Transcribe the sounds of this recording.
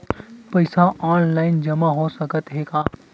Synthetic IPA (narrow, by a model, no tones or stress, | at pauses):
pɐɪsaʔaːnlaːɪnd͡ʒɐmaɦosɐɡət̪ɦeːkaː